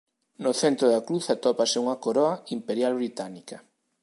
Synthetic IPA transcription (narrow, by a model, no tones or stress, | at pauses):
noθent̪ɾoðakɾuθat̪ɔpaseuŋɐkoɾɔaimpeɾjalβ̞ɾit̪anika